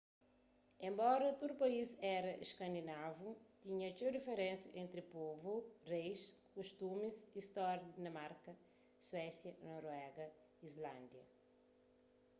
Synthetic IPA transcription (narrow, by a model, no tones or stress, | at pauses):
ẽmbɔɾɐt̪ud̪upɐizɛɾɐʔiʃkɐ̃nd̪inavut̪iɲɐt͡ʃedifeɾẽnsjɐʔẽnt̪ɾipovurejʃkuʃt̪umiziʃt̪ɔɾɐdd̪inɐmaɾkɐ | swɛsjɐnɔɾwɛɡɐː | zlãnd̪jɐ̰